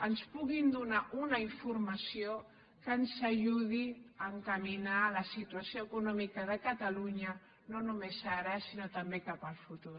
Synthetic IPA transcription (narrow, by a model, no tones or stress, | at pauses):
ənspuɣind̪unaʔunəiɱfuɾməsio | kənzəʒuð̞iəŋkəminaləsit̪uəsioəkunɔmikəðəkət̪əluɲə | nonumezaɾəsinot̪əmbekapəlˠfut̪uɾ